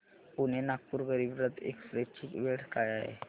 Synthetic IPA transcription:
punenak̚puːɾɡəɾiːbɾət̪ḛkfɾet͡ɕikʋeɽ̤kajaɦḛ

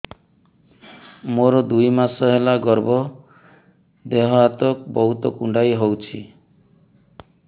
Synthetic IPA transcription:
moɾɔd̪ujmasɔɦelaɡɔɾbɔ | d̪eɦɔat̪ɔk̚bɔɦut̪ɔkuɳɖajɦowt͡ʃʰi

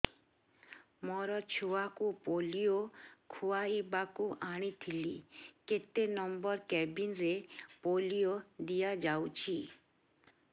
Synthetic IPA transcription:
mɔɾɔt͡ʃʰuʋakupolijokʰuaibakuaɽ̃it̪ʰiliket̪enɔmbɔɾkɛbinɾepolijod̪ijad͡ʒawt͡ʃʰi

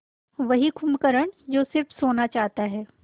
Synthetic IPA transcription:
ʋɐɦikʰʊmkəɾəɽ̃d͡ʒoːsɪɾfsoːnat͡ʃaːɦt̪aɦɛː

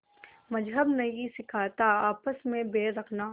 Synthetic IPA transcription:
mɐd͡ʒɦəbnɐisɪkʰaːt̪aaːpəsmẽbeːɾɐkʰnaː

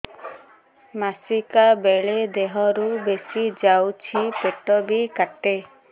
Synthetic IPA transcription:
masikabeɭed̪eɦɔɾubesid͡ʒawt͡ʃʰipeʈɔbikaʈe

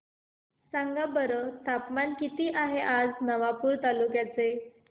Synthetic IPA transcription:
sãŋɡabəɾət̪apmankit̪iːʔaɦeʔad͡znəʋapuːɾt̪alukjat͡se

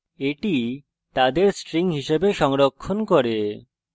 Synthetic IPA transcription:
eʈi | t̪ad̪eɾsʈɾiŋɦiʃebeʃɔŋɾokʰːonkoɾe

